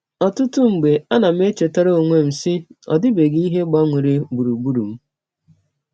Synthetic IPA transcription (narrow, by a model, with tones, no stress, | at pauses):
ɔ˨tʊ˦tʊ˦ŋ͡m̩˨ɡ͡be˨a˦na˨m̩˦e˦t͡ʃe˨ta˦ɾo˦o˨ŋʷe˦m̩˨sɪ˦ɔ̰˨dɪ˦be˨ɡi˦ɦe˦ɡ͡ba˦ŋʷe˨ɾe˦bu˨ɾu˨ɡ͡bu˦ɾu˨m̩˦